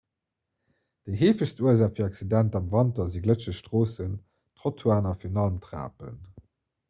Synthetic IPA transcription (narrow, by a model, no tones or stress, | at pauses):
d̥əɪɦeːfəɕstuəzaːχfiɐɑksidæntɑmvɑntɐziɡlət͡ʃəʃtʁoːsən | tʁotʰuaːnɐfiːɐnɑlmtʁa̰ːpə̰n